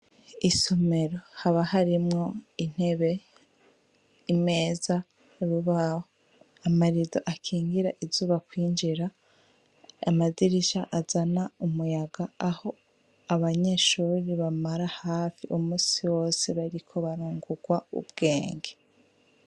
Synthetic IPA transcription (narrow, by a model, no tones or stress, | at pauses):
isome̞ɾo̞haβahaɾimŋo̞in̥e̞βe̞ | ime̞ːza | ɾuβaho | amaɾizo̰ʔakʰiːŋɡiɾaʔizuːβakwiːnd͡ʒiɾa | maziɾiʃaʔazanaumujaɡaːho̞ | aβaɲeʃuːɾiβamaɾahaːfiʔumuːsiwo̞ːse̞βaɾikʰo̞βaɾuːŋɡuɡwaṵb̚ɡe̞ːŋɡe